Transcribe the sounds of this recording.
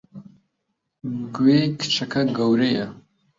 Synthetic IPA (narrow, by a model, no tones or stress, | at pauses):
ɡweːkʰɨ̥t͡ʃʰɐkʰɐɡɐwɾejɐ